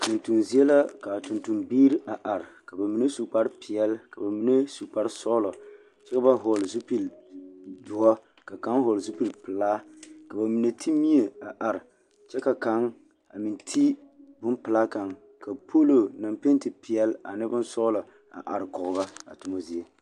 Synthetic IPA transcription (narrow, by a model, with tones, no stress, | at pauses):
tu˨ntu˨nzi˦e˦la˦ka˨tu˨ntu˨mbiː˦ɾʔa˨ʔa˨ɾɪ˨ka˨ba˨mi˨ne˦su˨k͡pa˦ɾpi˨ɛ˦lka˨ba˨mi˨˦ne˦su˨k͡pa˦ɾsɔ˦lɔ˨ | t͡ʃɛ˦ka˦ba˦ɦo˨lzu˦pi˨l | dʊ˨hɔ˦ | ka˨ka˦ŋɦo˨lzu˦pi˦lpɨ˨laː˦ka˨ba˨mi˨ne˨tʰi˦mi˦e˨a˨ʔa˨ɾɪ˨ | t͡ʃɛ˦ka˨ka˦ŋ | a̰˨mi˨ntʰi˦bʊ˦npɨ˨laː˦ka˨ŋ | ka˨pʰo˦lo˨na˨mpe˦n˦tɨ˨pi˨ɛ˦la̰˨nɨ˦bʊ˦nsɔ˦lɔ˨ | a̰˨ʔa˨ɾɪ˨kɔ˨ɣʊ˨ba˦a̰˨tʊ˨mo˦zi˨e˦